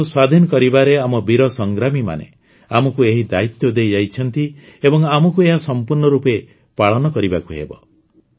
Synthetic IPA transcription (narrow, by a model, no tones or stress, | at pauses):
uswad̪ʱinɔkɔɾibaɾeamɔbiɾɔsɔŋɡɾamima̰nḛ | amɔkueɦid̪ait̪jɔd̪ejd͡ʒajt͡ʃʰɔnt̪i | ebɔŋamɔkueɦasɔmpuɾnɔɾupe | paɭɔnɔkɔɾibakuɦḛbɔ̰